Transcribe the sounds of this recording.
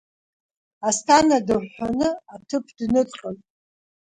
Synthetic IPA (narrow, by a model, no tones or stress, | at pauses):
astʰanadɨanɨatʰɨpʰdnɨtʼqʼəltʼ